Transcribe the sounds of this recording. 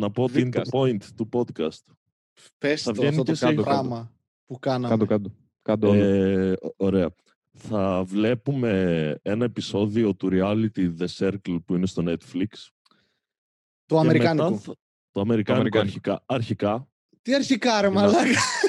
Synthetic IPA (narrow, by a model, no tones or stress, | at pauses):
nɐpo̞ot̪iiinepoint̪t̪ːupo̞d̪kɐst̪ | pesθɐvenitesɣɐmɐ | pukɐnɐɐokɐd̪o | kɐd̪ | oɾe̞ɐ | θɐvle̞pume̞e̞nɐe̞piso̞ðio̞t̪uɾiɐlit̪iðe̞seɾklpuinest̪o̞ne̞t̪fliks | t̪oɐemeɾimekɐnɐu | t̪oɐme̞ɾikɐnikɐɾçikɐɐɾçikɐ | t̪iɐɾçikɐɾemɐlɐɣ